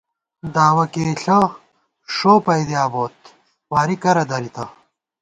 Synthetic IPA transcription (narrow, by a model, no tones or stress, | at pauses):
d̪aːwɐkeːɬɐ | ʂoːpɐjd̪iaːboːt̪ | waːɾikɐɾɐd̪ɐɾit̪ɐ